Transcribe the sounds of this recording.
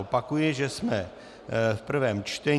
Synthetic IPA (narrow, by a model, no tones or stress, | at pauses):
opakujɪʒɛsmɛ | fpr̩vɛːmt͡ʃt̪ɛ